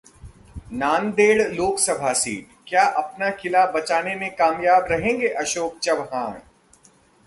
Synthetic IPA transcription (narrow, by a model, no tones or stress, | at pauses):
naːnd̪eːɽloːksɐbʱasḭːʈ | kjaːʔɐpnakʰɪlabɐt͡ʃaːnemẽkaːmjaːbɾɐɦẽːŋɡeʔɐʃoːk̚t͡ʃɐbɦãː